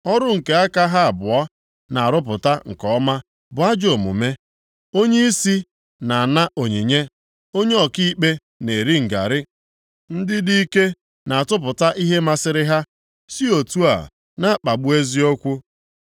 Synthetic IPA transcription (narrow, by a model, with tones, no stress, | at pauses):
ɔ˦ɾʊ˦ŋ̩˨ke˨a˦ka˦ɦa˦a˨bʊ˨ɔ˦ | na˨a˨ɾʊ˦p̬ʊ˨ta˦ŋ̩˨kɔ˦ma˦ | bʊ˨a˦d͡ʒo˨mʊ̰˨me˦ | o˦ɲe˦i˦si˦ | na˨na˦ʔo˨ɲe˨ɲe˦ | o˦ɲe˦ɔ˨ki˦i˦k͡pe˦ | ne˨ɾi˦ŋ̩˨ɡa̰˨ɾɪ˦ | n̩˦dɪ˦di˦i˦ke˦ | na˨a˨tʊ˦p̬ʊ˨ta˦ʔi˦ɦe˦ma˦sɪ˦ɾɪ˦ɦa˦ | si˦o˨tu˦a̰˨ | na˦˨k͡pa˨ɡ͡bu˦e˦zi˦o˦kʷu˦